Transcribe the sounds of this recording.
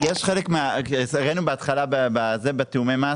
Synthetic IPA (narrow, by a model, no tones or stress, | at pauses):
jeʃχelekmeasaʁenubeat̪χalabebazebet̪eumemaː